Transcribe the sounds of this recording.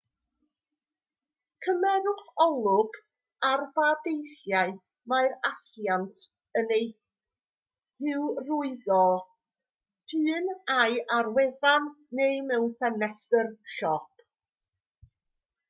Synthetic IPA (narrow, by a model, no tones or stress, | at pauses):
kʰəmɛnʊχɔlˠʊɡ | arbadejθjaɨ | maɨɾasjantʰ | ənej | hɪwrʊɨðɔ | pʰɨːnajʔarwɛðanː | ejmɛwnfɛnɛstərʃɔpʰ